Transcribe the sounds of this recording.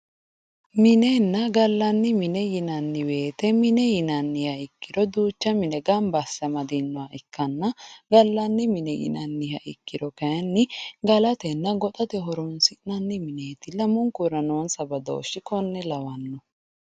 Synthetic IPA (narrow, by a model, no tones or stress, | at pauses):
mɪnenːɐɡɐlːɐnːɪmɪnɛjɪnɐnːɪwe̞ːt̪ɛmɪnɛjɪnɐnːɪhɐɪkːɪdɔd̪uːt͡ʃːɐmɪnɛɡɐmbɐsːɐmɐd̪inːɔaʔɪkːɐnːɐɡɐlːɐnːɪmɪnɛjɪ̰nɐnːɪhɐʔɪ̰kːɪdɔkɐjɐnːɪɡɐlɐt̪ɛnːɐɡɔt̪ʼɐt̪ɛɦɔɾɔnsɪnɐnːɪmɪneːt̪ɪlɐmʊŋkʊɾɐnoːnsɐbɐd̪o̰ɔʃɪkɔnːɛlɐwɐnːɔ